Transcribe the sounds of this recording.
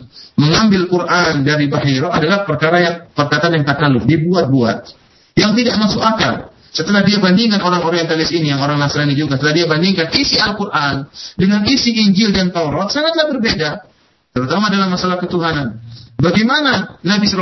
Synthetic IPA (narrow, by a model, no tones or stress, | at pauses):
məŋambɪlkurʔandaɾibaɦiɾɔadalahpərkaɾajaŋpərkat̪anjaŋkat̪aludibuat̪̚bua̰t̪̚ | jaŋt̪idaʔmasukaka̰n | sət̪əlahdiabandiŋanoɾaŋoɾiɛnt̪alɪsinijaŋoɾaŋnasiɾanid͡ʒuɡasət̪əlahdiabandiŋkanisialkurʔandəŋanisiiɲd͡ʒɪldant̪aɾɔt̪saŋat̪̚lahbərbeda | t̪əɾut̪amadalahmasalahkət̪uɦananbaɡemananabisɾ